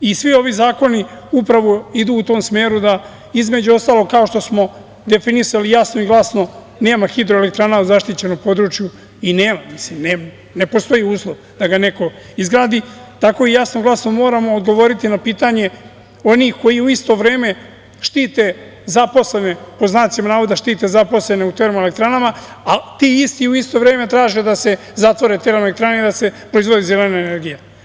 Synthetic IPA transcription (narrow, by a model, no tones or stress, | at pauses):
isʋio̞ʋizaːko̞niupɾaʋo̞id̪uːt̪o̞ːmsme̞ːɾud̪a | izme̞d͡ʑuo̞st̪aːloɡkao̞ʃt̪o̞smo̞ | d̪e̞finisalijasno̞iɡlˠasno̞ | ne̞ːmaxid̪ɾoele̞k̚t̪ɾanauzaʃt̪it͡ɕe̞nopo̞d̪ɾut͡ʃju | ineːmamislimneːm | ne̞po̞st̪o̞jiuːslˠoʋ | d̪̥aɡane̞ko̞ | izɡɾaːd̪it̪ako̞ijasnoɡlˠasnomːo̞ːɾamo̞ːd̪ɡo̞ʋo̞ɾit̪inapiːt̪aɲe̞ | o̞niːxko̞jiuist̪o̞ʋɾeːme̞ | ʃt̪iːt̪e | zapo̞sle̞ne̞po̞znaːsimanaːʋod̪aʃt̪iːt̪ezapo̞sle̞neut̪eɾomelek̚t̪ɾanama | at̪iːist̪iuist̪o̞ʋɾe̞ːme̞t̪ɾaːʒed̪ase̞ | zat̪ʋo̞ɾet̪eɾmelek̚t̪ɾaneid̪ase̞pɾo̞izʋo̞d̪izelenaene̞ɾɡija